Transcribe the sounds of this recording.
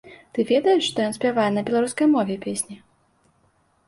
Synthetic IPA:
t̪ɨvʲɛd̪ɐjɛʂʂt̪ɔjɔnsʲpʲavajɛnɐbʲɛlˠaɾuskɐjmɔvʲɛpʲesʲnʲi

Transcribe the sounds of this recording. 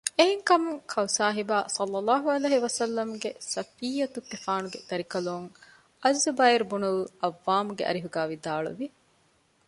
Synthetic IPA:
eɦeŋkɐmuŋkʰɐwsaːɦibaːsɐlːɐlːaːɦuɐleːɦiʋɐsɐlːɐmuɡesɐfiːjɐt̪ukːefaːnuɡed̪̥ɐɾikɐluŋ | ɐzːubɐiɾbunulɐʋːaːmuɡeʔɐ̰ɾiɦuɡaːʋid̪aːɭṵʋi

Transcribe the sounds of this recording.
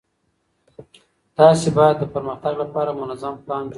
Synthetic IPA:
t̪ɑsebɑjad̪ːəpəɾməxt̪aɡlapɑɾamʊnazamklɑnd͡ʒ

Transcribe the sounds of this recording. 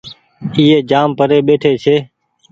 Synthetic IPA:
iːeːd͡ʒaːmpəɾeːɓeːʈʰeːt͡ʃʰeː

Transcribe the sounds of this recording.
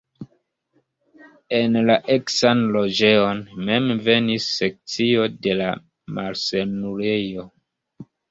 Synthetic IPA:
enlaʔeksanlo̞d͡ʒeo̞nme̞mve̞nisːe̞k̚t͡sio̞de̞la | maɾsenuɾejo̞

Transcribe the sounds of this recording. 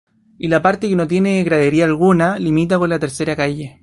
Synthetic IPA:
ilapaɾt̪ekenot̪̬jeneɣɾaðeɾiaːlɣunalimit̪̬akonlat̪eɾseɾakaje

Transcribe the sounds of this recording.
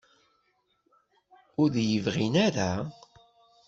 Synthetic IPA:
ʊɾðjəvʁinaɾa

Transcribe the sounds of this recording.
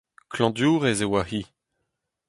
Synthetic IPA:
kʰlɑ̃d̪juːʁezewahi

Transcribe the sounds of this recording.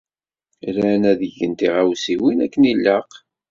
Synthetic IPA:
lænæðəʝːənt̪iʁawsiwinækːənilːəq

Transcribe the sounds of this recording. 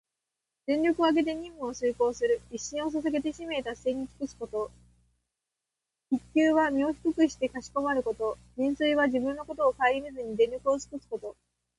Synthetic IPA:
d̪̥ẽ̞ɲɾʲo̞kɯ̟oaɡe̞t̪̬e̞ɲ̟ĩmːɯ̟osɨːko̞ːsɨɾɯ̟iɕːĩɰ̃o̞s̬asaɡe̞t̪̬e̞ɕime̞ːt̪asːe̞ːɲ̟iki̥kɯ̟sɨ̥ko̞t̪o̞ | kikʲːjɨːβamʲioçi̥kɯkɯ̟ɕi̥t̪e̞kaɕi̥ko̞maɾɯ̟ko̞t̪o̞d͡ʑĩɰ̃sɨiβaʑibɯ̟̃nːo̞ko̞t̪o̞ːkaiɾʲimezɨɲ̟id̪ẽɾʲɾʲo̞kɯ̟osɨ̥kɯsɨ̥ko̞t̪o̞

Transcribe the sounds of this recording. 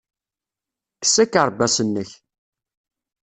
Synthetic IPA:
kə̥sækəɾˤbæsənːəç

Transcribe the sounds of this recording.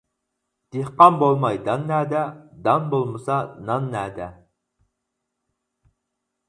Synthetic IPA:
d̪̥ehqɑmbolˠmɑjd̪ɑnːæːd̪ɛd̪ɑnbolˠmɨsɑnɑnːæːd̪ɛ

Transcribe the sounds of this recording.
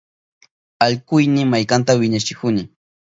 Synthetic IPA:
aʎkʊjnɪmajkant̪awɪɲat͡ʃɪkʊnɪ

